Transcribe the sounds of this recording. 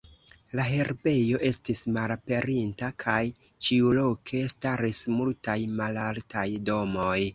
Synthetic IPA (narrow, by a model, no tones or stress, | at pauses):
laɦe̞ɾbe̞jo̞ʔe̞stismalape̞ɾintakʰaj | t͡ʃiulo̞kʰe̞staɾismultajmalaltajdo̞mo̞j